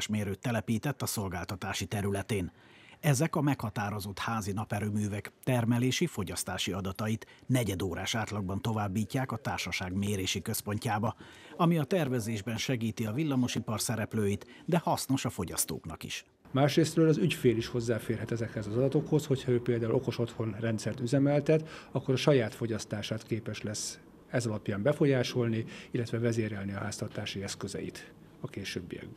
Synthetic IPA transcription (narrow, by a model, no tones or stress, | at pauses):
ʃmeːɾøːt̪ːɛlɛpiːt̪ɛt̪ːɒso̞lɡaːlt̪ɒt̪aːʃit̪ɛɾylɛt̪eːn | ɛzɛkɒmɛkhɒt̪aːɾo̞zo̞t̪haːzinɒpɛɾøːmyːvɛkt̪ɛrmɛleːʃifo̞ɟɒst̪aːʃiɒd̪ɒt̪ɒjit̪nɛɟɛd̪oːɾaːʃaːt̪lɒɡ̚bɒnt̪o̞vaːbːiːcːaːkɒt̪aːrʃɒʃaːɡmeːɾeːʃikø̞spo̞ɲcaːbɒɒmiɒt̪ɛrvɛzeːʒbɛnʃɛɡiːt̪iɒvilːɒmo̞ʃipɒrsɛɾɛpløːjit̪d̪ɛhɒsno̞ʃɒfo̞ɟɒ̰st̪o̰ːknɒ̰kḭʃ | maːʃreːst̪røːlɒzycfeːliʃho̞zːaːfeːrɦɛt̪ɛzɛkhɛzɒzɒd̪ɒt̪o̞kho̞sho̞chɒøːpeːld̪aːulʔo̞ko̞ʃo̞t̪ho̞nrɛnt̪sɛrt̪yzɛmɛlt̪ɛt̪ɒkːo̞ɾɒʃɒjaːt̪fo̞ɟɒst̪aːʃaːt̪keːpɛʃlɛs | ɛzɒlɒpjaːmbɛfo̞jaːʃo̞lniilːɛt̪ʋɛvɛzeːɾɛlniɒɦaːst̪ɒrt̪aːʃiɛskøzɛ̰ḭt̪ | ɒkeːʃøːbːḭɛ̰ɡb